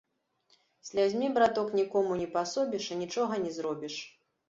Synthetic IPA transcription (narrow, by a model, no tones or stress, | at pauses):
sʲlʲad͡zʲmʲibɾat̪ɔknʲikɔmunʲɛpasɔbʲiʂanʲit͡ʂɔɣɐnʲɛzɾɔbʲiʂ